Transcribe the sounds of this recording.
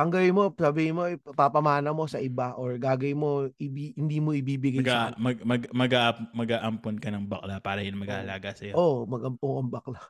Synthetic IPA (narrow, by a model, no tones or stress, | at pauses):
ʔɐŋɡɐwɪmo̞sɐbiːhɪnmopapɐmaːnɐmo̞sɐʔɪbaʔoɹɡaːɡɐjmo̞ɪbihɪnd̪iːmo̞ʔɪbiːbɪɡamɡamɐɡmɐɡmɐɡaːʔpmɐɡaːʔɐmponkɐnɐŋbɐk̚lapaːɾɐjɐnmɐɡaːʔɐlaːɡasɐjoʔomɐɡɐmpoŋɐŋbɐkla